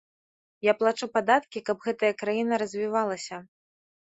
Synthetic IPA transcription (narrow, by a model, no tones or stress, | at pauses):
japlˠat͡ʂupad̪at̪kʲikɐbɣɛt̪ɐjɐkɾajinɐɾɐzʲvʲivalˠɐsʲɐ